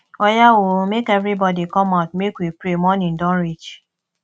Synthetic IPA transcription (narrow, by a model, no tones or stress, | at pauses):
ɔjawomekevɾibɔdikɔmatmekʷwepɾemɔnĩn̩dɔɾid͡ʒ